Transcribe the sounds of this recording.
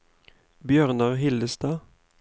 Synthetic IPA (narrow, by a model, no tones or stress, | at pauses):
bjøːʁnɑʁhɪld̪əst̪ɑː